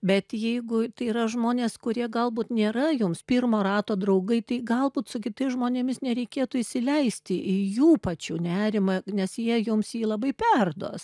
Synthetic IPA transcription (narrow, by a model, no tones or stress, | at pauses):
bʲɛt̪jɛɪɡʊt̪ɐɪrɐʒmoːnʲeːskʊɾʲiɛɡɐlˠbuːt̪nʲeːɾɐjʊmspʲirmoːɾɑːt̪oːd̪ɾɐʊɡɐɪt̪ɐɪɡɐlˠbuːt̪sʊkʲɪt̪ɐɪsʒmoːnʲeːmʲɪsnʲɛɾʲɛɪkʲeːt̪uːɪʃʲsʲɪlʲɛɪsʲt̪ʲɪʔɪjuːpɐt͡ʃʲuːnʲæːɾʲɪmɐnʲɛsjiɛjʊmsjiːlˠɐbɐɪpʲɛrd̪o̰ːs